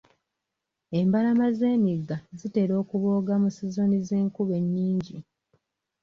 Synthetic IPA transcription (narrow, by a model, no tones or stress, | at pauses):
e̞mbalamaze̞ːmiɡːazite̞ɾo̞ːkuβoːɡamusizo̞nizeːŋkuβe̞ɲːiːɲɟi